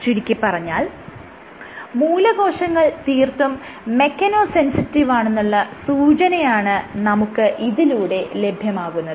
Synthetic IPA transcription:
t͡ɕiɾikʲːipːɐrɐɲːaːl | muːlɐɡo̞ːʂɐŋːɐɭt̪iːrt̪um | me̞kːɐnoːse̞nsitːiʋaːɳe̞nːuɭːɐsuːt͡ɕɐnɐjaːɳɨnɐmukːɨʔiðiluːɽe̞le̞bʱjɐmaːɣunːɐðɨ

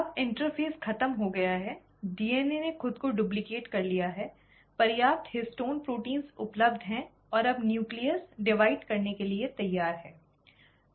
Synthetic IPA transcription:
ɐbɪ̃ɳʈəɾpʰeːsxʰɐt̪əmɦoɡɐjaɦɛ | ɖiːeːnenexʊd̪koɖʊːb̬lɪkeːʈkɐɾlijaɦɛ | pɐɾjaːp̚t̪hɪsʈoːnpɾoːʈĩːnzʊpləbd̪ʱɦɛ̃ | ɔːɾɐbnjuːkliəɾsɖɪʋaːɪɖkɐɾnekeliet̪ɐjːaːɾɦɛː

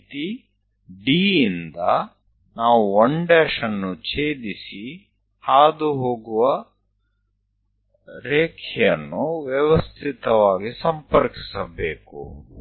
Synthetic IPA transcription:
t̪i | ɖiːnd̪ɐ | naːʋuoɳɖeːʂɐnːut͡ʃeːd̪isi | haːd̪uɦoːɡuʋɐ | ɾeːkʰɛjɐnːuʋjɛʋɐst̪ʰit̪ɐʋaːɡisɐmpɐɾki̥sɐbeːkṵ

